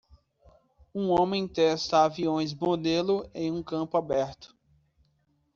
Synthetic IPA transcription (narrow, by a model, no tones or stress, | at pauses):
ũõmẽj̃t̪ɛst̪ɐaviõj̃zbod̪elʊẽj̃ũkɐ̃pʊabɛɾt̪ʊ̥